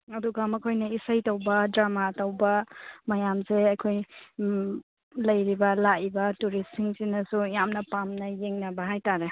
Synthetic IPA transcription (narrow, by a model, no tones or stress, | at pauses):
ɐduɡamɐkʰojnɐisajtowbɐdɾamatawbɐmɐjamseɐjkʰoj | lɐjɾibɐlaibɐtuɾisiŋsinɐsujamnɐpamnɐjeŋnɐbɐɦajtaɾe